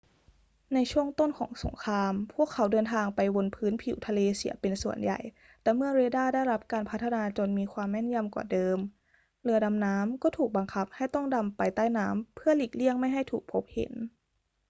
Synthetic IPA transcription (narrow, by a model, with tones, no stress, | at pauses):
na˧jt͡ɕʰu˥˩əŋt̪o˥˩nkʰɔ̰ː˩˦ŋso̰˨˩˦ŋkʰɾaː˧mpʰu˥˩əkʰːa˩˦wdɤː˧nt̪ʰaː˧ŋpa˧jwo˧npʰɯː˦˥npʰḭ˨˩˦wt̪ʰa˧leː˧sḭ˩˦pe˧nsu˨˩ənja̰˨˩j | t̪ɛː˨˩mɯ˥˩ɐɾeː˧daː˥˩da˥˩jɾa˦˥p̚kaː˧npʰa˦˥t̪ʰːnaː˧t͡ɕo˧nmiː˧kʰwaː˧mːɛ˥˩nja˧˥˨mkwa̰ː˨˩dɤː˧m | lɯ˧ɐda˧mnaː˦˥mkɔː˥˩t̪ʰuː˨˩k̚ba˧ŋkʰa˦˥p̚ha˥˩jt̪ɔ˥˩ŋda˧mpa˧jt̪aː˥˩jnaː˦˥mpʰɯ˥˩ɐliː˨˩k̚li˥˩əŋma˥˩jɦa˥˩jt̪ʰuː˨˩k̚pʰo˦˥p̚hḛ˩˦n